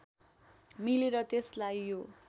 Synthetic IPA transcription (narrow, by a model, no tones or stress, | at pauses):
mileɾʌt̪eslajjo